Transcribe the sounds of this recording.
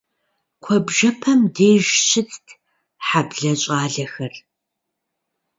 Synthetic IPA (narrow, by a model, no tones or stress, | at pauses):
kʷʰɔbʒɐpʰɐmdeːʒʃʰɪt͡sʰtʰ | ħabɮɐɕʼaːɮɐxɐr